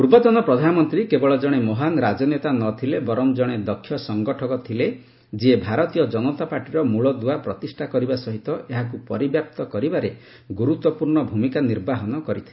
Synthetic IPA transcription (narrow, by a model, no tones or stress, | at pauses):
uɾbɔt̪ɔnɔpɾɔd̪ʱanɔmɔnt̪ɾikebɔɭɔd͡ʒɔɽ̃emɔɦanɾad͡ʒɔnet̪anɔt̪ʰilebɔɾɔmd͡ʒɔɽ̃ed̪ɔkʰːjɔsɔŋɡɔʈʰɔkɔt̪ʰile | d͡ʒiebʱaɾɔt̪ijɔd͡ʒɔnɔt̪apaʈiɾɔmuɭɔd̪uapɾɔt̪isʈʰakɔɾibasɔɦit̪ɔeɦakupɔɾibjap̚t̪ɔkɔɾibaɾe | ɡuɾut̪wɔpuɾɳɔbʱumikaniɾbaɦɔnɔkɔɾit̪ʰilee